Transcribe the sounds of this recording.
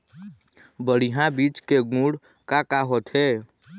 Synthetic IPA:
bəɽiɦãbit͡ʃkeɡũɽ | kakaɦot̪ʰɦe

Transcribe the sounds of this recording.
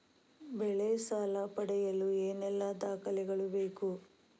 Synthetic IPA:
bɛɭɛsaːlɐpɐɽɛjɐlueːnɛlːɐd̪aːkɐlɛɡɐɭubeːku

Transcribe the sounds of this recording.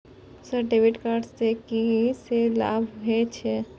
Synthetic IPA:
səɾɖebiʈkaɾɖst̪ekisela̰bʱbʱet͡ʃʰɛ

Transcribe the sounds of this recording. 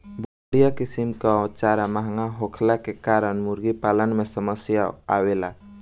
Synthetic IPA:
bəɽijakisimkat͡ʃaɾamaɦŋaɦokʰlakekaɾənmuɾɡipalənmesəməsjaawela

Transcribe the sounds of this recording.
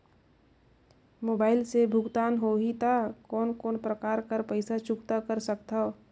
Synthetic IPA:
moːbaːɪlsebʱʊɡt̪aːnɦoːɦit̪akɔːnkɔːnpɾəkaːɾkəɾpəɪsat͡ʃʊkt̪akəɾsək̚t̪ao

